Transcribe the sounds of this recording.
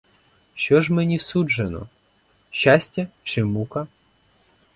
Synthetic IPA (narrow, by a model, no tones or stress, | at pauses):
ʃt͡ʃɔʒmɛnʲiwsud͡ʒenɔ̰ | ʃt͡ʃːasʲtʲɐt͡ʃɪmukɐ